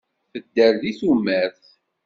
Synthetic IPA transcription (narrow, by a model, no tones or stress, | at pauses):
fəd̪ːəɾðiθumːæɾθ